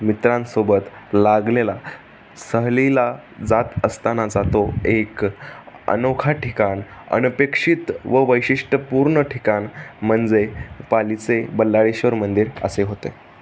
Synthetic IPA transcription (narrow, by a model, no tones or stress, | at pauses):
mit̪ɾãnsobət̪laɡlela | səɦlilad͡zat̪əst̪anad͡zat̪oek | ə̰nokʰaʈʰikanə̰npekʂit̪ʋəʋəjɕiʂʈəpuɾɳəʈʰikanm̤ənd͡zepalit͡sebəlːaɭiɕʋəɾmənd̪iɾə̰seɦot̪e